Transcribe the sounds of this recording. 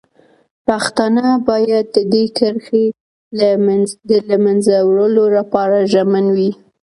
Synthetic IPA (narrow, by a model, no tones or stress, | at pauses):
paxt̪anəbɑjad̪̚ːəd̪ekʰəɾxe | d̪əlamanzawɽəlolapɑɾaʒamanwi